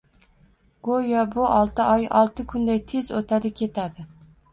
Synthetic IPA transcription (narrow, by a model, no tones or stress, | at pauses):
ɡ̥ojɒbʊʔɒlˠt̪ʰɪʔɒjɒlˠt̪ʰɪkʰʊnd̪ajt̪ʰe̞zot̪ʰad̪ɪkʲʰe̞t̪ʰad̪ɪ